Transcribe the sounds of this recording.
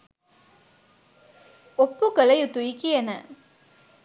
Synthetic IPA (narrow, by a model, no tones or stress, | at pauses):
opːukəlɐjut̪ujikijɐnə̰